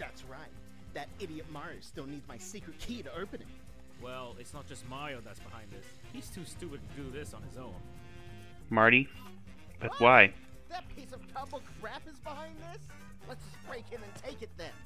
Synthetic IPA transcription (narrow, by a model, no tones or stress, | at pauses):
ðætsɹaɪt̪̚ | ðɨɾɪɾiɨt̚mɑɹɨstɪlˠnidzmaɪsikɹɨt̚kʰiɾəoʊpɨ̃nɪ̰t̚ | wɛlˠɪtsnət̚d̥ʒ̥ʌst̚maɪoʊðætsb̥əhãɪ̃nðɪs | hiz̥tʰʉstʉpɨd̚tʰɨdɨðɪsn̩ɨzõʊ̃n | mɑɹɾi | b̥ʌt̚waɪ | ðɨt̚pʰisʌv̥tʰʌbl̩ˠɡɹæpɨzbəhãɪ̃nðɪs | lətsʒ̥ʌsb̥ɹeɪkhɨ̃mɨ̃ntʰeɪkɨt̪̚ðɨ̃n